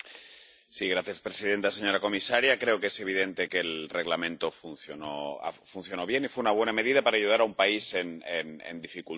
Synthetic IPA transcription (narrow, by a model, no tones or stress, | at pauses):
siɣ̞ɾaθjaspɾe̞siðe̞nt̪ase̞ɲo̞ɾako̞misaɾjakɾe̞oke̞se̞β̞iðe̞nt̪eke̞lre̞ɣlamẽ̞nt̪o̞fun̟θjonoa̰funθjo̞no̞βje̞nifweunaβ̞we̞name̞ð̞iðapaɾaːʝuð̞aɾaumpaise̞nḛnḛnd̪ifikul